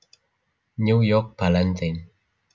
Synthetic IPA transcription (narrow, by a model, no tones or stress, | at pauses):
nujok̚palantan